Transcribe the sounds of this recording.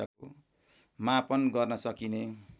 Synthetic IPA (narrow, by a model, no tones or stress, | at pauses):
ako | mapʌnɡʌrnʌsʌkine